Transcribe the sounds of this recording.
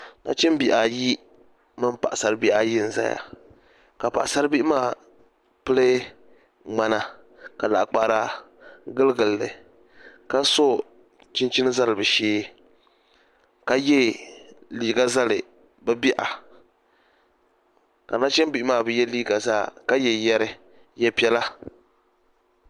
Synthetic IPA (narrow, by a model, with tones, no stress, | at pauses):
na̰˦t͡ʃɛ˦m˦bi˨ʔa˨ji˦ | mɨ˦mpa˨ʔa˨sa˨ɾɨ˦bi˦ʔa˦ji˦n̩˨za̰˦ja̰˨ | ka˨pa˨ʔa˨sa˦ɾɨ˦bi˦ʔmaː˦˨ | pɨ˦lɨ˦ | ŋ͡ma˦na˨ | ka˨la˨ʔk͡pa˨ɾa˦ | ɡɨ˦lɨ˦ɡɨ˨lːɨ˨ | ka˦so˦ | t͡ʃɪ˦nt͡ʃi˦nɨ˦za˦lɨ˨bɨ˨ʃeː˦ | ka˦jɛ˦ | liː˨ɡa˦za˦lɨ˨ | bɨ˦bi˦ʔa˨ | ka˨na˦t͡ʃɛ˦mbi˦ʔɪ˦maː˦˨bɨ˦jɛ˦liː˦ɡa˨za̰ː˦ka˦jɛ˨jɛ˦ɾɨ˦ | jɛ˦pi˦ɛ˦la˦